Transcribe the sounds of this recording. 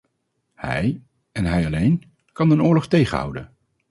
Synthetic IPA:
hɛ̰j | ɛnɦɛjɑlejn | kɑnənʊːɹlɔχtejχənɦʌ̰wdə̰n

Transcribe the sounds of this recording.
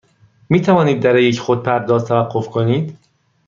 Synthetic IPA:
miːt̪ʰævɒːniːd̪ːæɾejecxod̪̚pʰæɾd̪ɒːzt̪ʰævæɡːo̞fkʰoniːd̪̥

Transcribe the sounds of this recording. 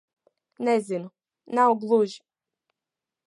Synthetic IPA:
nɛzinu | naoɡlˠuʒi̥

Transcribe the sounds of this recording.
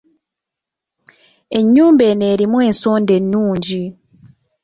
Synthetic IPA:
e̞ɲːuːmbe̞ne̞ɾimwe̞nso̞ːnde̞nːuːɲɟi

